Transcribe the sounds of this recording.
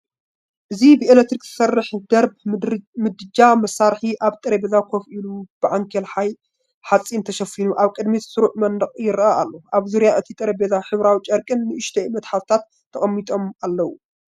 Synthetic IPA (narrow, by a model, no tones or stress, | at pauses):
ʔɨzibɨelek̚t̪ɾikzɨ̥sɐrːɨħd̪ɐɾbmɨd̪ɾɨd͡ʒamɐsaɾħiʔaβt̪ʼɐɾebezakʰofʔilub̥ɨʕaŋkʰelħaj | ħat͡sʼːint̪ʰɐʃɐfinuʔaβkʼɨd̪misɨɾuʕmɐnd̪ɐχʼjɪɾʔaʔalːoʔaβzuɾjaʔɨt̪ʰit̪ʼɐɾebezaħɨβɾawit͡ʃʼɐɾkʼɨnːɨʔɨʃt̪ʰɐɨmɐt̪ħawt̪ʰat̪ʰːɐχʼɐmːit̪ʼo̞malːɐwu